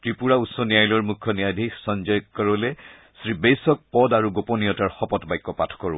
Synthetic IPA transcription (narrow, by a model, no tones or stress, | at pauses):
tɹipuɹausɔnijajlɔɹmukʰːɔnijadʱiksɔnd͡ʒɔjkkɔɹɔlɛ | sɹibejsɔk̚pɔdaɹuɡopɔniɔtaɹxɔpɔtbajkːɔpatʰkɔɹʊ̰̃